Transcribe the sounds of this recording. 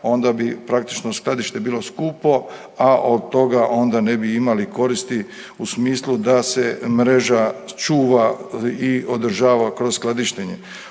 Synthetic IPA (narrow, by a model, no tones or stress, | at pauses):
o̞nd̪abipɾak̚t̪i̥t͡ʃnosklˠad̪iʃt̪e̞biːlo̞skuːpo̞ | aʔod̪t̪o̞ɡaʔo̞nd̪ane̞biimaliko̞ɾist̪i | usmiːslˠud̪ase̞mɾe̞ʒat͡ʃuːʋaiod̪r̩ʒaːʋakɾozsklad̪iʃt̪eɲe